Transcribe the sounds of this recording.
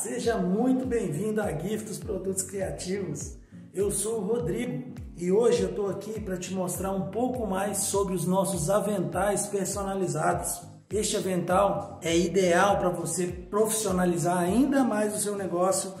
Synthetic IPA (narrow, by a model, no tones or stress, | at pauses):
seʒɐmũj̃t̪ʊbẽj̃vĩnd̪ʊaɡifɪd̪ʊspɾod̪ut̪ʊ̥skɾiat͡ʃivʊs | ewsowɦod̪ɾiɡʊ | ɪoʒɪewt̪owakipɾɐt͡ʃɪmost̪ɾaɾũpowkʊmajsːobɾɪʊznɔsʊzavẽnt̪ajspeɾsonalizad̪ʊs | est͡ʃɪavẽnt̪aw | ɛid̪eawpɾɐvosepɾofi̥sionalizaɾaĩnd̪ɐmajzʊsewneɡɔsjʊ